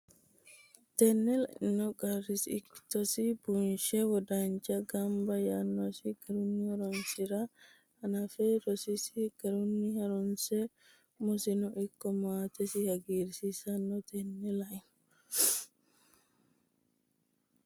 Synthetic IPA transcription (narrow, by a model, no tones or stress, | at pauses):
t̪ɛnːɛlɐʔnɔɡʼɐrɪsɪkːt̪ɔsibunʃɛwɔd̪ant͡ʃɐɡɐmbɐjanːɔsiɡ̥ɐɾʊnːihɐɾɔnsiɾa | ɐnɐfɛɾɔsisiɡ̥ɐɾʊnːihɐɾɔnsɛ | mɔsɪnɔʔɪkːɔmaːt̪ɛsɪhɐɡiːɾsisɐnːɔt̪ʰɛnːɛlɐɪnɔ